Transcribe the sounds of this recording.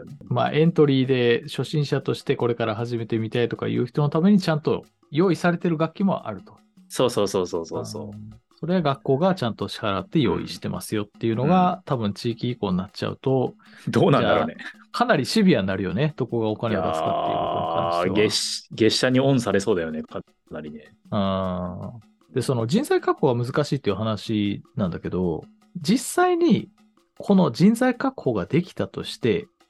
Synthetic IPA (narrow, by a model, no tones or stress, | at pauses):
ma̰ːʔẽ̞nt̪o̞ɾʲiːd̪e̞ɕo̞ɕĩɰ̃ɕat̪o̞ɕi̥t̪e̞ko̞ɾe̞kaɾaɦaʑime̞t̪e̞mʲit̪ait̪o̞ka̰jɯ̟̰ːçi̥t̪o̞not̪ame̞ɲ̟it͡ɕãnt̪o̞ | jo̞ːisaɾe̞t̪e̞ɾɯ̟ɡakʲːimo̞̰ʔa̰ɾɯ̟t̪o̞̥ | so̞ːso̞ːso̞ːso̞ːsoːso̰ːso̞ɾe̞aɡakːo̞ːɡat͡ɕãnt̪o̞ɕi̥haɾat̪ːe̞jo̞̰ːḭɕi̥t̪e̞̰mʔa̰sɨjo̞t̪ːe̞jɯ̟no̞ɡat̪abɯ̟̃ɲ̟t͡ɕiːkʲiːko̞ːnnːat͡ɕa̰ɯ̟̰t̪o̞ | d̪oːnãnad̪ane | kʰanaɾʲiɕɨbʲianːaɾɯ̟jo̞ne̞d̪̥o̞ko̞ɡao̞kaneɡ̪asɨkat̪ːḛɯ̰o̰nkã̰nieɕɡe̞ɕːaɲ̟iõ̞ɰ̃saɾe̞so̞ːd̪ajo̞nekʰa | naɾʲine | ɯ̃ː | d̪̥e̞so̞no̞d͡ʑĩnzaikakɯhoɡamɯzɨkaɕiːt̪ːeiɯ̟ɦanaɕinãnd̪ake̞d̪o̞ | d͡ʑisːaiɲ̟i | kʰo̞no̞d͡ʑĩnzaikakɯ̥ho̞ːɡad̪e̞kʲi̥t̪at̪o̞̰ɕi̥t̪e̞